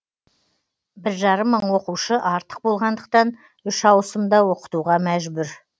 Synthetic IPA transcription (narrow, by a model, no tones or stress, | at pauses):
bɪɾʒɑɾəmːəɴwo̞quʃəʔɑɾt̪ə̥q̚bo̞lˠʁɑnd̪əq̚t̪ɑn | ʏʃɑwəsəmd̪ɑwo̞qə̥t̪uʁɑmæʒbʏɾ